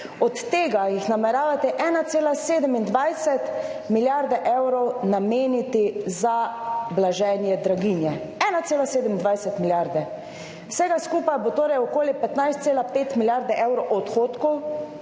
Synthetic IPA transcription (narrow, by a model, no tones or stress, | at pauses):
ɔt̪ːeːɡajixnamɛɾaːʋat̪ɛʔɛnat̪seːlaseːd̪ɛmind̪ʋajsɛt̪miljaɾd̪ɛʔɛwɾɔwnameːnit̪izablaʒɛnjɛd̪ɾaɡinjɛ | ɛnat̪seːlaseːd̪ɛmind̪ʋajsɛt̪miljaɾd̪ɛ | wsɛɡaskuːpajbot̪oːɾɛjɔkoːlipɛt̪najst̪seːlapeːt̪miljaɾd̪ɛʔɛwɾɔwʔɔt̪xoːt̪kɔ